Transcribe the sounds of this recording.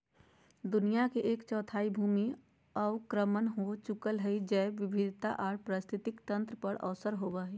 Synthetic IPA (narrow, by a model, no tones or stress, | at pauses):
d̪ʊnijakeʔeːkt͡ʃɔːt̪ʰaːibʱuːmi | ɔːʋkɾəmənɦot͡ʃʊkəlɦɛid͡ʒɛːʋɪbʱɪd̪ʱt̪a̰ʔɔːɽpɾəst̪ʰɪt̪ɪkt̪ə̃nt̪ɾəpəɽɔːsəɾɦoːbaɦiː